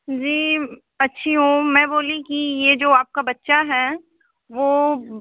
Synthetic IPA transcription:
d͡ʒiː | ɐtːʃʰiɦũːmɛ̃ːboːlikijed͡ʒoːaːp̚kabɐtːʃaɦɛ | ʋoː

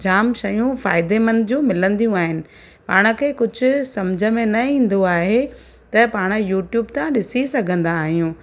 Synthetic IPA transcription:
d͡ʑaːmʃɐjũfaːɪd̪emɐ̃nd̪ɪd͡ʑũːmɪlə̃nd̪ijũaːɦɪnɪ̆ | paːɽ̃ə̆kʰeːkʊd͡ʑʱʊ̆sɐmd͡ʑʱə̆mẽnɐĩːn̆d̪oaːɦe | t̪ɐpaːɽ̃̆juːʈjuːbt̪ʰãɗɪsisɐɡʱə̃nd̪aːɦijũ

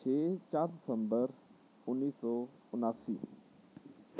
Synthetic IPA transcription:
t͡ʃʰeːt͡ʃaːɾd̪ɪsə̃mbəɾ | ʊnːiːsɔː | ʊnaːsḭː

